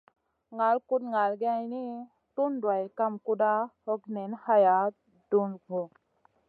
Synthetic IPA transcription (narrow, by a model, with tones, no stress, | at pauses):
ŋa˨lku˦d̪ŋa˨lɡa˧jni˦ | t̪u˦nɖwa˨jka˦mku˦da˦hɔ˦kne˨nha˦ja˨ | du˦nɡʱɔ˨